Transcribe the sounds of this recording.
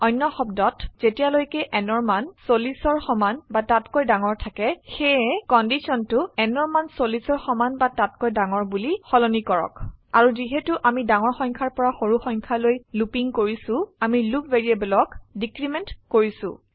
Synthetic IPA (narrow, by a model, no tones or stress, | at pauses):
ɔjnːɔxɔbdɔtz̥etijalojkɛʔɛnɔɹmansolisɔɹxɔmanbatatkojdaŋɔɹtʰakɛxɛɛkɔndisɔntʊɛnɔɹmansolisɔɹxɔmanbatatkojdaŋɔɹbulixɔlɔnikɔɹɔ̰ka̰ɹuziɦɛtʊʔamidaŋɔɹxɔjŋkʰaɹpɔɹaxoɹuxɔjŋkʰalojlupiŋkoɹisʊ̃amilupveɹiabɔlɔkdikɹimɛntkoɹisʊ̰̃